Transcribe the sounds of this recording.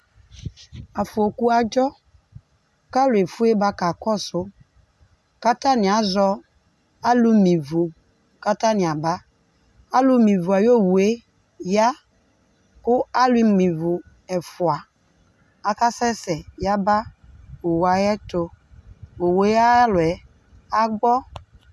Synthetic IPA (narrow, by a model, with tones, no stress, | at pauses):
a˨fʊ˨o˨ku˦a˨d͡ʒɔ˦ | ka˦lʊ˨e˨fu˦e˦ba˦ka˨kɔ˦sʊ˦ | ka˦ta˦nɪ˨a˨˦zɔ˦ | a˦lu˦mĩ˨vo˨ | ka˦ta˦nɪ˨a˨ba˦ | a˦lʊ˦mĩ˨vʊ˨a˨jo˦˨wu˨e˦ | ja˦ | kʊ˦a˦lʊ˦i˦mi˨vʊ˨ | ɛ˨fʊ˨a˨ | a˨ka˦sɛ˦sɛ˨ja˦ba˦o˨wa˨jɛ˦tʊ˨˧ | o˨we˦a˦lʊ˨ɛ˨ | a˦ɡ͡bɔ˦